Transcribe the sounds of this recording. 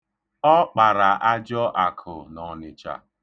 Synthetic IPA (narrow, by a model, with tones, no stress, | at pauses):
ɔ˦k͡pa˨ɾa˨ʔa˦d͡ʒɔ˦ʔa˨kʰʊ˨nɔ˨nɪ˨t͡ʃa̰˨